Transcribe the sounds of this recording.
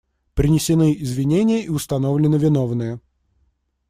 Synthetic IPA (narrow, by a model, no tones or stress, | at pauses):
pɾʲɪnʲɪsʲɪnɨɪzvʲɪnʲenʲɪjəʔiʊst̪ɐnovlʲɪnɨvʲɪnovnɨjə